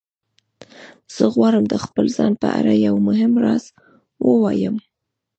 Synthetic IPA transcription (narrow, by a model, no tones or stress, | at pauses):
z̥əɣwɑɾəmd̪əxpəlzɑnpəa̰ɾajawmʊɦɪmɾɑz̥ | wəwɑjəm